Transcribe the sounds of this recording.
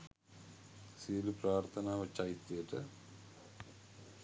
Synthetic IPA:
silupɾaːɾt̪ʰɐnaːʋɐt͡ʃːaːjit̪ːijɐʈɨ

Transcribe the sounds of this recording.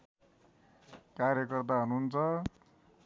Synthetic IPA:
kaɾjʌkʌrt̪aɦunuːnt͡sʰʌ

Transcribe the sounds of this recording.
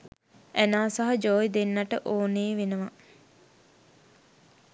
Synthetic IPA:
ʔænaːsaɦad͡ʒoːjd̪enːaʈəʔoːneːʋenəʋa

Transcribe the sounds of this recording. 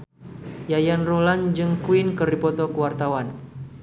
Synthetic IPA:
jajanruland͡ʒɨŋkuinkəɾipɔt̪ɔkuwart̪awan

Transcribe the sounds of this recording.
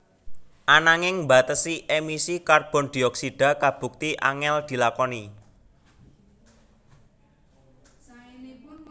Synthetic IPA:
ʔanaŋɪŋbat̪əsiʔemisikarb̥ɔ̤nd̪̥i̤ɔksiɖ̥a̤kab̥ṳk̚t̪iʔa̰ŋɛld̪̥i̤lakɔni

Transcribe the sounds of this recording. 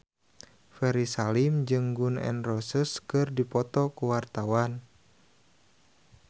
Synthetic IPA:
fɛɾisalimd͡ʒɨŋɡunɛ̰nrɔsəskɨrdipɔt̪ɔkuwart̪awan

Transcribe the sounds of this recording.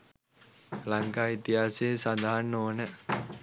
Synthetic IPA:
laŋkaːit̪iɦaːseːsand̪aɦanːoːnə

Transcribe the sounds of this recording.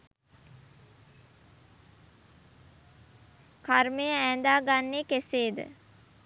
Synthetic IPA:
karmejəæːnd̪aːɡanːeːkeseːd̪ə̰

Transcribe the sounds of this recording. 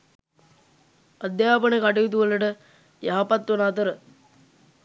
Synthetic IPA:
ad̪jaːpənekaʈ̬iit̪̬uʋələʈə | jaɦapat̪ːʋonaːt̪əɾə

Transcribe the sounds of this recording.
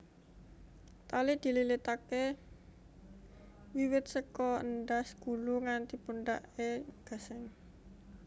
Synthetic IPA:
t̪alid̪̥i̤lilit̪ake | wiwɪt̪̚səkɔənɖasɡ̥ṳluŋant̪ipunɖaʔeɡ̥a̤sɪŋ

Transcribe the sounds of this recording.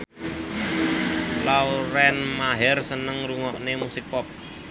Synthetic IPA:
lawɾɛnmaɦɛrsənəŋɾuŋɔʔnemusik̚pɔp̚

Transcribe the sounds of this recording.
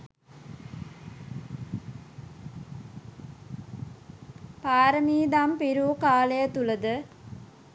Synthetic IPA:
paːɾəmiːd̪ampiɾuːkaːlejət̪uləd̪ə

